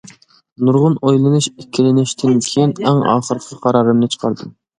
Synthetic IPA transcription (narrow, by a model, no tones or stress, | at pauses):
nuɾʁʊnojlˠɨnuʃekʲʰːilɪnɪʃt̪ʰɪnkʲʰejinɛŋɑ̰ːχəɾqʰəqʰɑɾɑːɾɨmnɨt͡ʃʰə̥qʰɑɾd̪ɨm